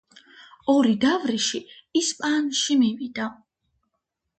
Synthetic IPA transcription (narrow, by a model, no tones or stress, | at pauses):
ɔɾid̪avɾiʃiːspʼanʃimivid̪̥a